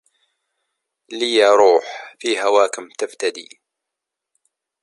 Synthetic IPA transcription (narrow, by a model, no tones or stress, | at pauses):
lijɑɾˤuːħfiːhawaːkɪmt̪əft̪ad̪ḭː